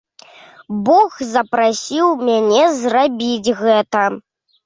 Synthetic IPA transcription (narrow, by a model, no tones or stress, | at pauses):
bɔxzɐpɾasʲiwmʲanʲɛzrabʲid͡zʲɣɛt̪ɐ